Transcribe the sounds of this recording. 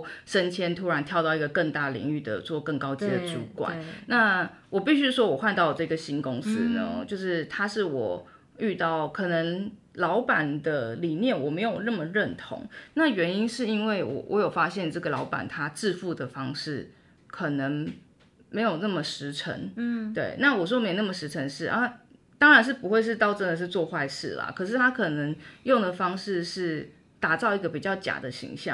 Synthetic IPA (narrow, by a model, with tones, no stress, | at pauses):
ʂə˥nt͡ɕʰjɛ˥nt̪ʰu˥ɻa˧˥nt̪ʰjɑ˥˧ʊt̪ɑ˥˩ʊi˧˥ɡə˧kə˥˧ŋt̪a˥˩lḭ˧˥ŋy˥˩d̪ə̰˩t͡swɔ˥˧kə˥˩ŋkɑ˥ʊt͡ɕi˧˥d̪ə˧˨t͡su˧˥kwa̰˨˦nna˥˩ | wɔ˨˩pi˥˩ɕy˥ʂwɔ˥wɔ˨˩xwa˥˧nt̪ɑ˥˧ʊʈ͡ʂɤ˥˩i˨ɡə˩ɕi˥nkʊ˥ŋsɹ̩˥nə̰˧t͡ɕjo˥˧ʊʂɻ̩˥˩t̪ʰa˥ʂɻ̩˥˩wɔ˨˩ | y˥˧t̪ɑ˥˩ʊkʰɤ˨˩nə˧˥ŋ | lɑ˧˥ʊpa˨˩nd̪ə˦li˨˩njɛ˥˩nwɔ˨˩me˧˥ɪjo˨˩ʊnə˥˩mə˩ɻə˥˨nt̪ʰʊ̰˧˥ŋna˥˩ɥɛ˧˥ni˥nʂɻ̩˥˩i˦˥nwe˥˩ɪwɔ̰˨˩wʔɔ̰˧˦jo˨˩ʊfa˥ɕjɛ˥˧nʈ͡ʂɤ˥˩ɡə˩lɑ˧˥ʊpa̰˨˩nt̪ʰa˥ʈ͡ʂɻ̩˥˧fu˥˩d̪ə˩fɑ˥ŋʂɻ̩˥˩ | kʰɤə˨˩nə˧˥ŋ | me˧˥ɪjo˨˩nə˥˩mə˩ʂɻ̩˧˥ʈ͡ʂʰə̰˧˥ŋt̪we˥˩ɪna˥˩wɔ˨˩ʂ̬wɔ˥me˧˥jo˨˩n˥˩mə˩ʂɻ̩˧˥ʈ͡ʂʰə˧˥ŋʂɻ̩˥˩ʔa˥˦ | t̪ɑ˥ŋɻa˧˥nʂ̬ɻ̩˥˩pu˧˥xwe˥˧ɪʂ̬ɻ̩˥˧t̪ɑ˥˧ʊʈ͡ʂə˦˥nd̪ə˨ʂɻ̩˥˧t͡swɔ˥˧xwa˥˧ɪʂɻ̩̰˥˩lɐ̰˩kʰɤ˨˩ʂ̬ɻ̩˥˩t̪ʰa˥kʰɤ˨˩nə˧˥ŋjo˥˩ŋd̪ə˩fɑ˥ŋʂɻ̩˥˧ʂɻ̩˥˩ | t̪a˨˩t͡sɑ˥˩ʊi˧˥ɡə˧pi˨˩t͡ɕjɑ˥˩ʊt͡ɕja̰˨˩d̪ə˦ɕḭ˧˥ŋɕjɑ̰˥˨ŋ